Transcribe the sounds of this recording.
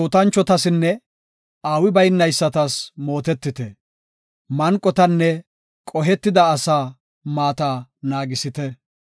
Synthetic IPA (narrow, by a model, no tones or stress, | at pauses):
oːt̪ɐnt͡ʃːɔt̪ɐsɪnːɛ | aːwɪbɐjnːɐjsːɐt̪ɐsmo̞ːt̪ɛt̪ːɪt̪ɛ | mɐŋkʼːɔt̪ɐnːɛ | kʼɔɦɛt̪ːɪd̪ɐːsaː | maːt̪anaːɡɪsɪt̪ɛ